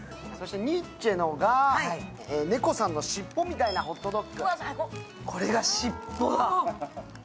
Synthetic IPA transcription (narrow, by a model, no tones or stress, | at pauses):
so̞ɕi̥t̪e̞ɲ̟ʲit͡ɕe̞noɡa | eːne̞ko̞sãnːo̞ɕipːo̞mʲit̪ainao̞t̪ːo̞d̪okːɯ̟ | kʰo̞ɾe̞ɡaɕipːod̪a